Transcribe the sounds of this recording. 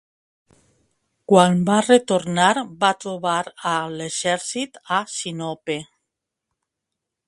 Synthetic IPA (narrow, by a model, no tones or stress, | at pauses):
kwanbaret̪oɾnaɾbat̪ɾuβaɾaleʃɛɾsit̪asinɔpe